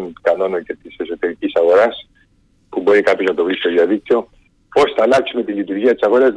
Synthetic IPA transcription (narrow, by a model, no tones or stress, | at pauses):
nkɐno̞noce̞t̪ise̞so̞t̪e̞ɾicisɐɣo̞ɾɐs | puboɾikapjo̞znɐt̪o̞vɾist̪oðiɐðik̚t̪io̞ | po̞sθɐlaksume̞t̪ilit̪uɾʝiɐt̪isɐɣo̞ɾɐz